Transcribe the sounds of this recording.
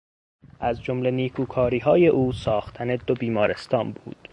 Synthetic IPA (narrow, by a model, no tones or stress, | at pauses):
ʔæzd͡ʒo̞mle̞niːkʰuːkʰɒːɾiːɦɒːje̞ʔuːsɒːxt̪ʰæne̞d̪obiːmɒːɾe̞st̪ʰɒːnbṵːd̪̥